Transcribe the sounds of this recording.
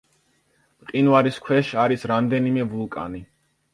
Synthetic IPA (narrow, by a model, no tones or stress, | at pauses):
mqʼinvaɾiskʰwɛʃaɾisɾamd̪ɛnimɛvulˠkʼa̰ni